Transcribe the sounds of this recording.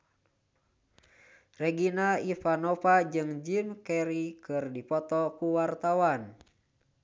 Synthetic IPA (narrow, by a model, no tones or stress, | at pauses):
rɛɡinaifanɔpad͡ʒɨŋd͡ʒimkɛɾikɨrdipɔt̪ɔkuwart̪awan